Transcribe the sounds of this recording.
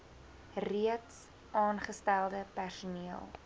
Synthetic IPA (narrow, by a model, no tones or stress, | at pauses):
riəts | ʔɑːnχəstælˠdəpærsuniəlˠ